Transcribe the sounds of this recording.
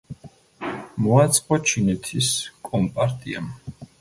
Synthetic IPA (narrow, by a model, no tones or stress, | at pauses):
mɔat̪sʼqʼɔt͡ʃʰinɛt̪ʰiskʼɔmpʼaɾt̪ʼia̰m